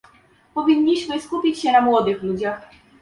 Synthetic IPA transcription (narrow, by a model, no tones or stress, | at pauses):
pɔvʲiɲːiɕmɘskupʲit͡ɕɕɛnamwɔd̪ɘxlud͡ʑax